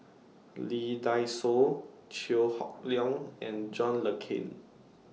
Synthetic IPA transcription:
lidajso | t͡ʃilhɔ̰k̚ljɔ̃ŋɛ̃nd͡ʒɔ̃nləkʰḭ̃n

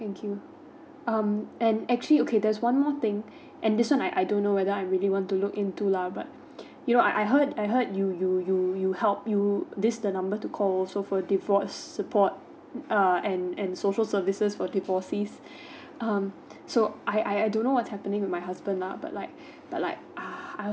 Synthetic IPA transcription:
t̪ɛ̃ŋkʰju | ʌ̃mɛ̃nɛk̚t͡ʃuəliokʰedɛswãnmɔt̪ɪ̃ŋ | ʔɛ̃ndɪswãnaɪʔajdõnːowɛdəaɪɹiliwɔ̃ntulʊkɪ̃ntulabat̚ | junoʔaɪʔaɪɦədajɦəd̚jujujujuhɛlˠp̚jud̪ɪsdənãmbətukʰɔlɔlsofɔdivɔsːəpʰɔt̚ | ʌɛ̃nɛ̃nsoʃəlsəvisəsfɔdivɔsis | ʔʌ̃m | soʔaɪʔaɪajdõnːowɔtshɛpənɪ̃ŋwɪd̚majɦasbə̃ndla̰ba̰t̚laɪk̚ | b̥at̚la̰ɪk̚ʔaaɪ

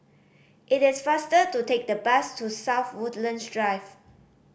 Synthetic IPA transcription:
ʔɪtɪsfastətutek̚dəbɛstʰusaʊfwudlə̃nsdɹaɪv

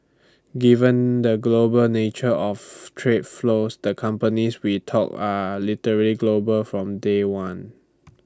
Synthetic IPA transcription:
ɡivə̃ndəɡlobəlnet͡ʃəɔftʰɹet̚flosdəkʰãmpəniswitʰɔ̰k̚alitəɹəliɡlobəlfɹɔ̃mdewãn

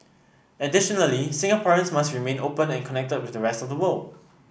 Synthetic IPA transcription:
ədɪʃɔnəlisɪ̃ŋəpʰaɹə̃nsmasɹimẽnopə̃nɛ̃nkʰɔnɛk̚təd̚wɪdəɹɛstɔfdəwəl

